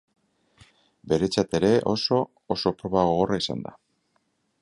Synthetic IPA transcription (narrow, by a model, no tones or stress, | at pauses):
be̞ɾe̞t͡sat̪e̞ɾe̞ʔo̞̰so̞ː | so̞pɾo̞βaɣ̞o̞ɣo̞raisa̰nd̪a̰